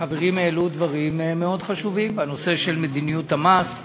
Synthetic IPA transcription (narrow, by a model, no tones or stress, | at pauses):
χaveʁimelud̪vaʁimeme̞o̞d̪χaʃuvimbano̞se̞ʃe̞lmed̪inijut̪hamas